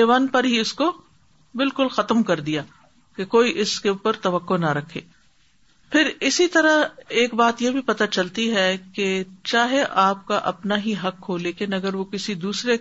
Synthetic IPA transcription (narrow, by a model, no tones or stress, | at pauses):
eːʋaːnpɐɾɦiʊsko | bɪlkʊlxɐt̪əmkɐɾd̪ijaː | kekoːiʔɪskeuːpəɾt̪ɐʋəkːonɐɾɐkʰːeː | pʰɪɾɪsit̪ɐɾaeːkbaːt̪jebʱipɐt̪at͡ʃɐlt̪iɦɛket͡ʃaːɦeʔaːp̚kaʔɐpnaɦiɦɐkʰːoːlekenɐɡəɾʋokɪsid̪uːsɾe